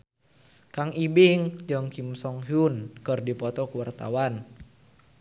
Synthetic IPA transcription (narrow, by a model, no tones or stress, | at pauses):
kaŋibɪŋd͡ʒɔŋkimsɔŋɦunkɔrdipɔt̪ɔkuwart̪a̰wan